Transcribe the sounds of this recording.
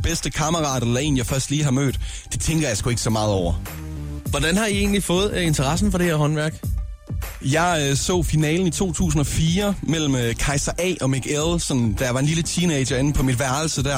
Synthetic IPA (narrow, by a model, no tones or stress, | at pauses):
b̥esd̥əkʰɑ̈məʁɑ̰̈ːd̥elɐe̝̰ːnjɑ̈ɪfɶɐsd̥liːɦɑ̈mø̰ːd̥ː | et͡sʰeŋɡ̥ɐjɑ̈sɡ̥ue̝ɡ̥sɒ̽mɑ̈ːð̞̩ˠɒʊ̰ɐ | ʋɒd̥ænhɑ̈ie̝̰ːn̩lifɔ̽ːð̞̩ˠe̝nt͡sʰɐʁɑ̈sn̩fɒ̽ɾ̥e̝heɐɦɒ̽nʋæɐɡ̥ | jɑ̈ɪsɔ̰̽ːfinɛ̰ːln̩it͡sʰo̝̰ːt͡sʰṵːs̬n̩ɒ̽fiːɐmel̰m̩økʰɑ̈ɪsɐʔɛ̰ːʔɒ̽miɡ̥elsɒ̽nd̥æjɑ̈ʋɑ̈e̝nlilət͡sʰiːneɪ̥ɐe̝n̩pʰɒ̽mid̥ʋæɐl̩səd̥æɐ